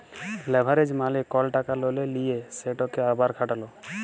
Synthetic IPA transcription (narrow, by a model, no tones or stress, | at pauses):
lɛbʱaɾed͡ʒmalikɔlʈakalolelijeseʈɔkeabaɾkʰaʈalɔ